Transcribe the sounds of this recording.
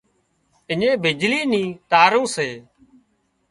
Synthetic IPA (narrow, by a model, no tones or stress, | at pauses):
ɪɲẽːbɪd͡ʒliːnĩːt̪aːɾõːseː